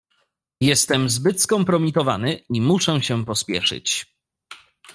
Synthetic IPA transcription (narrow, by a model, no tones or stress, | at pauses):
jɛst̪ɛmzbɘt̪skɔmpɾɔmʲit̪ɔva̰nɘimuʂɛɕɛpɔspʲjɛ̰ʂɘ̰t͡ɕ